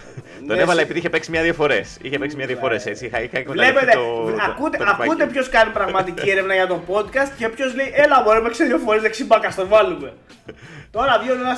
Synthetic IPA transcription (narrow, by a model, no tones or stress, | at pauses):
nonevɐlɐepiðiçepeksimɲɐðjɐfo̞ɾe̞siçepeksimɲɐðjɐfo̞ɾe̞set͡sixɐkɐmevlepet̪eɐkut̪eɐut̪e̞pço̞skɐnipɾɐɣmɐt̪icie̞ɾe̞vnɐʝɐt̪o̞po̞d̪kɐst̪̚ce̞pço̞zle̞iʔe̞lɐboɾipekseðjɐfoɾezeksibɐkɐst̪ovɐlume̞ | t̪o̞ɾɐvʝolunɐs